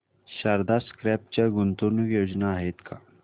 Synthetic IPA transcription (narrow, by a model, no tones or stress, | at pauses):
ɕaɾd̪askɾɛp̚t͡ɕaɡunt̪unujod͡ʑnaːɦet̪kʰa